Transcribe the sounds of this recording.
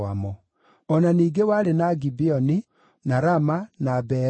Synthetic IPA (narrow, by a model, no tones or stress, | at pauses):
amɔ | ɔnaniːɡewaɾenaɡibiɔni | naɾamanabɛ